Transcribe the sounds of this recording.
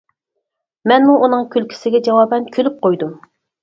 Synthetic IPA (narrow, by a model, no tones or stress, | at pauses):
mɛnmuʔunɨŋkʲʰylkʲʰi̥sɪɡʲɛd͡ʒɑwɑːbɛnkʲʰølyp̚qʰojd̪u